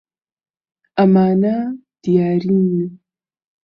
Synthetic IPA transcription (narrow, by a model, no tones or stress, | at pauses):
amaːna | d̥ijaɾinu